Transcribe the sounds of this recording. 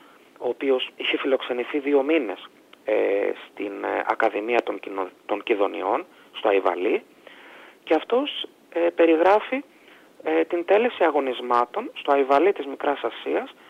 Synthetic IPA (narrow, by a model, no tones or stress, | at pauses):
o̞ːpio̞siçe̞filo̞kse̞niθiðio̞mine̞s | ḛst̪ḭnɐ̰kɐðimiɐt̪oŋit̪o̞ɲciðo̞nḭo̞n | st̪oɐivɐ̰li | ce̞ɐft̪o̞s | epe̞ɾiɣɾɐfi | et̪int̪e̞le̞siɐɣo̞nizmɐt̪o̞nst̪o̞ɐivɐlit̪izmikɾɐsɐsiɐs